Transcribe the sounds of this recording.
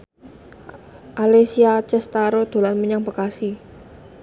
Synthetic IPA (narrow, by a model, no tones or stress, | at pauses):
ʔalesiat͡ʃɛst̪aɾod̪̥o̤lanməɲaŋb̥ə̤kasi